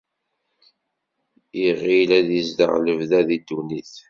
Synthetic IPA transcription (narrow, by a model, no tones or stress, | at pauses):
iʁilæðizd̪ə̰ʁləvðæðid̪ːuniθ